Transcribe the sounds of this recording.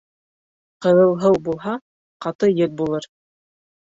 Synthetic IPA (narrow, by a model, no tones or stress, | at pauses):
qɤ̆ðɤ̆w̪ˠɦɤwbulˠɦɑ | qɑt̪ɤjɘt̪̚bulˠɤɾ